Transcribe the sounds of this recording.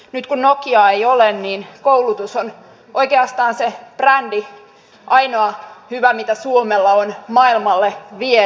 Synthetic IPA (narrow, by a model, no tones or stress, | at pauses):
nyt̪kunnokiɑejolenniːnkoulut̪uson | ʔoikeɑst̪ɑːnseb̥rændi | ʔɑinoɑhyʋæmit̪æsuomelːɑonmɑilmɑlːeʋie